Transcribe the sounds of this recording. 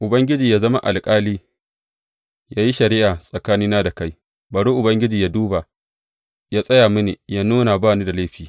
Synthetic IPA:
ʔʊ˨bɐ˦ŋɡʲɪ˦d͡ʒiː˨jaː˦zɐ˦ma̰˦ʔa̰˨lkʼaː˦liː˦ | jaː˦ji˦ʃɐ˨ɾɪ˦ʔaː˨sʼɐ˨kaː˦nɪː˦naː˦da˨ka˦j | baː˨ɽuː˦ʔʊ˨bɐ˦ŋɡʲɪ˦d͡ʒiː˨jaː˦duː˦ba˨ | jaː˦sʼɐ˦jaː˨mɪ˦neː˨jaː˦nuː˦na˨baː˦˨niː˦da˨leː˦ɸiː˨

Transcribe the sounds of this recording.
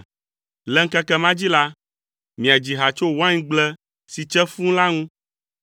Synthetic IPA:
lɛ˦ŋ̩˦kɛ˦kɛ˦mã˦d͡ʑi˦la˦ | mĩ˨a˨d͡ʑi˨ɦa˨t͡ʃo˦wã˦ɲĩ˦ɡ͡blɛ˦ | si˨t͡ʃɛ˦fũ˦la˦ŋũ˦

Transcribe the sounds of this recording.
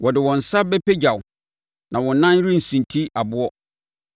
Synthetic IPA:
wɔ˨dɪ˨wɔ̃˨n̩˨sa˦bɛ˦pe˦d͡ʑa˨w | nʔã˨wɔ̃˨˦nã˦ɾũ˦n̩˨sĩ˨ntʰi˦a˨bʊ˦ɔ˦

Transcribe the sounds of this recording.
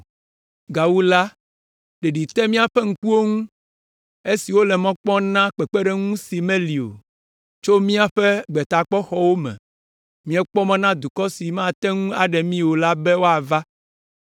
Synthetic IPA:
ɡa˨wu˦la˦ | ɖe˨ɖi˨t̪ɛ˦mĩ˦a˨ɸɛ˦ŋ̩˨ku˦wo˦ŋũ˦ | e˦si˨wo˦lɛ˨mɔ̃˦k͡pɔ̃˦nã˦k͡pɛ˨k͡pɛ˦ɖɛ˦ŋũ˦si˨mẽ˦li˨o̰˨ | t͡ʃo˦mĩ˦a˨ɸɛ˦ɡ͡bɛ˨t̪a˨k͡pɔ˦xɔ˨wo˦mɛ̰̃˨ | mĩ˦ɛ˦k͡pɔ˦mɛ̃˦nã˦d̪u˨kɔ˦si˨mã˦˨t̪ɛ˦ŋũ˦a˨ɖɛ˨mĩ˦wo˨la˦bɛ˦wo˦a˨va˦

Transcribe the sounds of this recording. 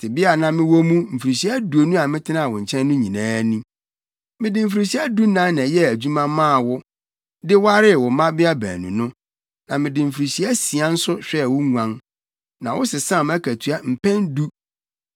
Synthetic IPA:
tʰɪ˨bɪ˦a˨nã˦mɪ̃˦wɔ˦mũ˦m̩˨fɾi˨ɕi˨˦æ˦du˨o˨nũ˦a˨mɪ̃˦tʰɪ˦ã˦˨wʊ̃˨ɲ̩˨t͡ɕʰɛ̃˦nː˦ʊ̃˦ɲĩ˨nãː˦nĩ˦ | mɪ̃˦dɪ˨m̩˨fɾi˨ɕi˦a˦du˦nã˦nã˨jɛ˦æ˨d͡ʑᶣu˦mã˦mã˦˨wʊ˦ | dɪ˦wa˦ɾɪ˦˨wʊ˨˦mã˦bɪ˦a˦bæ̰ː˨nṵ̃˨nʊ̃˦ | nã˨mɪ̃˨dɪ˨m̩˨fi˨ɾi˨ɕi˦æ˦si˨a˦n̩˦sʊ˦ɕᶣɛ˦˨wʊ˦ŋu˨ã˦n | nã˨wʊ˦sɪ˨sã˦˨mæ˦kʰæ˨tʰu˨a˨m̩˨pʰɛ̃˦ndu˦

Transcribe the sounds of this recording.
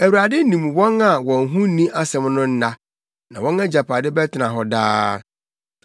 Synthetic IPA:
æ˨wɥɾa˨dɪ˦nĩ˨mwɔ̃˦na˨wɔ̃˨nɦũ˦nĩ˦ʔa˦sɛ̃˨mnʊ̃˦n̩˦na˦ | nã˨wɔ̃˦nã˦d͡ʑa˨pʰa˨dɪ˦bɛ˦tʰɪ˨nã˨ɦɔ˨daː˦

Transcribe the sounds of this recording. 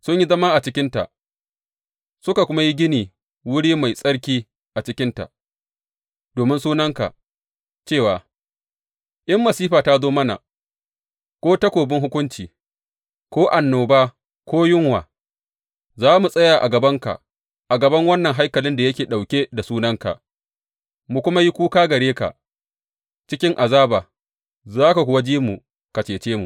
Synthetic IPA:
sʊ˦ɲji˦zɐ˦ma˦ʔa˨t͡ʃɪ˦kʲɪ˦nta̰˨ʔ | sʊ˦ka˨kʷʊ˦ma˦ji˦ɡʲɪ˦niː˨ | wʊ˦ɽiː˦ma˨jsʼɐ˦ɽk̬ʲiː˦ | ʔa˨t͡ʃɪ˦kʲɪ˦nta̰˨ | d̥oː˨mɪ˦nsuː˦nɐ˦ŋka̰˨ʔ | t͡ʃeː˦˨waː˨ | ʔɪ˦mːɐ˨siː˦ɸaː˨ta˦zoː˦mɐ˦na̰˨ | kʷoː˦tɐ˦kʷoː˨bɪ˦ŋɦʊ˦kʷʊ˦nt͡ʃiː˨ | kʷoː˦ʔa˨nːoː˨baː˦ | kʷʰoː˦jʊ˦ŋwaː˨ | zaː˦mu˨sʼɐ˦jaː˨ʔa̰˨ɡɐ˨bɐ˦ŋka̰˨ʔ | ʔa˨ɡɐ˨bɐ˦ŋwɐ˦nːɐ˨ŋɦa˦jkɐ˨lɪ˦nda˨jɐ˦kʲeː˨ɗa˨wkʲe˦da˨suː˦nɐ˦ŋka̰˨ | mu˨kʷʊ˦ma˦ji˦kʷuː˦kaː˦ɡɐ˨ɾeː˦ka̰˨ | t͡ʃɪ˦kʲɪ˦ŋʔa˨zaː˦baː˨ | zaː˦ka˨kʷʊ˨wa˦d͡ʒiː˦mu˨ | ka˨t͡ʃeː˨t͡ʃeː˦mu˨

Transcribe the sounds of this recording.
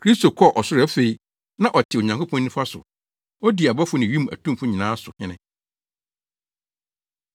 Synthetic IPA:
kʰɾi˦sto˨kʰɔ˦˨ʔɔ˨sʊ˦ɾɛ˦fe˨i˦ | nã˦ʔɔ˨tʰɪ˨o˨ɲã˨ŋkʰo˦pʰɔ̃˦nːɪ̃˦fa˦sʊ̰˨ | ɔ˦di˨a˨ba˦fʊ˦nɪ̃˨ɥĩ˦m˨æ̰˨tʰũ˦m˦fʊ̃˦ɲĩ˨nãː˦sʊ˨hɪ̃˦nɪ̃˨

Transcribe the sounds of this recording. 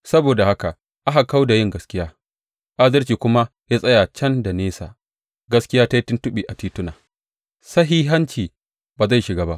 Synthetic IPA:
sɐ˦boː˨da˨ha˦ka˨ | ʔa˦ɦa˨ka˦wda˨jɪ˦ŋɡɐ˦skʲɪ˦jaː˦ | ʔa˦zɐ˦rt͡ʃiː˨kʷʊ˦ma˦ | jaː˦sʼɐ˦ja˨t͡ʃɐ˦nda˨neː˦sa̰ː˨ | ɡɐ˦skʲɪ˦jaː˦ta˦ji˦tʊ˦ntʊ˦ɓiː˨ʔa˨tiː˦tʊ˦naː˨ | sɐ˦ɦiː˦ɦɐ˦nt͡ʃiː˨ | baː˨za˦˨ʃɪ˨ɡaː˦ba˦ʔ

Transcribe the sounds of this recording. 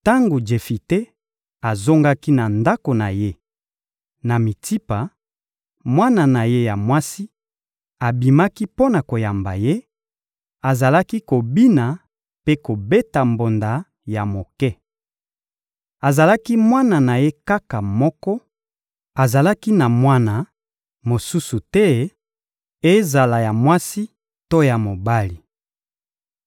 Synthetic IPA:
ta˦ŋɡo˨d͡ʒe˨fi˨te˦ | a˨zo˦ŋɡa˦ki˦na˨nda˦ko˨na˨je˦ | na˨mi˨ti˦pa˨ | mwa˦na˨na˨je˦ja˨mwa˦si˦ | a˨bi˨ma˦ki˦po˦na˨ko˨ja˨mba̰˨je˦ | a˨za˨la˦ki˦ko˨bi˦na˨ | pe˦ko˨be˦ta˨mbo˨nda˨ | ja˨mo˨kɛ˦ | a˨za˨la˦ki˦mwa˦na˨na˨je˦ka˦ka˨mɔ˦kɔ˦ | a˨za˨la˦ki˦na˨mwa˦na˨ | mo˨su˦su˨tɛ˦ | e˦za˨la˨ja˨mwa˦si˦ | to˦ja˨mo˨ba˦li˨

